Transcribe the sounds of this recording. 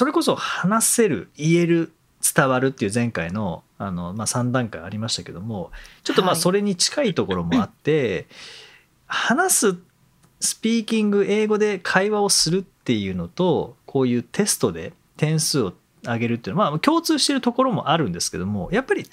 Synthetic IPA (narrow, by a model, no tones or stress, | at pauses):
so̞ɾe̞ko̞so̞hanase̞ɾɯ̟̰ie̞ɾɯ̟ | t͡sɨ̥t̪aβaɾɯ̟t̪ːeiɯ̟ːzẽ̞ŋkaino̞ | ano̞maːsãnd̪ãŋkaiaɾʲimaɕit̪ake̞d̪o̞mo̞t͡ɕo̞t̪ːo̞maːso̞ɾe̞ɲ̟it͡ɕi̥kait̪o̞ko̞ɾo̞mo̞at̪ːe̞ | hanasɨ | sɨ̥pʲiːkʲĩŋɡɯ̟ʔe̞ːɡo̞d̪e̞kʰaiβao̞sɨɾɯ̟t̪ːe̞jɯ̟ːno̞t̪o̞kʰo̞ːjɯ̟ːt̪ʰe̞sɨ̥t̪o̞d̪e̞̰ | t̪ẽ̞ɰ̃sɨːo̞ | aɡe̞ɾɯt̪ːeinmakʲo̞ːt͡sɨːɕi̥t̪e̞ɾɯ̟t̪o̞ko̞ɾo̞mo̞̰ʔaɾɯ̟̃nd̪e̞sɨ̥ke̞d̪o̞mo̞japːaɾʲi